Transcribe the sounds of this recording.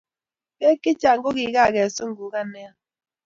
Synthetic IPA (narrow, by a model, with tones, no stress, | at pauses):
ke˦ki˦t͡ʃa˨ŋ˦ɡo˦ɣi˨˦ɣa˦˨ɣɛ˨so˦ŋ̩˦ɡu˨ka˦nɛ˦